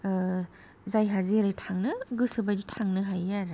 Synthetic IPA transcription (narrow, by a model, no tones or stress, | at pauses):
zajɦaziɾajtʰaŋnɯɡɯsɯbazitʰaŋnɯɦajaɾ